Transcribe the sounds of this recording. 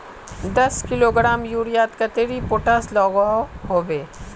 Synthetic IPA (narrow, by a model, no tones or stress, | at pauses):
d̪ɐskɪloːɡɾaːmjuːɾijaːt̪kɐt̪eːɾipoːʈaslɔːɡɔɦoːʋeː